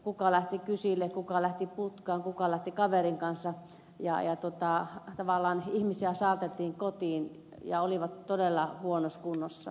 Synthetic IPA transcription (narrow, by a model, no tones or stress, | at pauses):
kukɑlæht̪ikysilːekukɑlæht̪iput̪kɑːŋkukɑlæht̪ikɑʋeriŋkɑnsɑ | jɑ̰jɑt̪ot̪ɑˑt̪ɑʋɑlːˑɑːnihmisiæsɑːˑlt̪elt̪iːŋkot̪iːn | jɑ̰oliʋɑt̪t̪odelːɑhuonoskunːosːɑ̰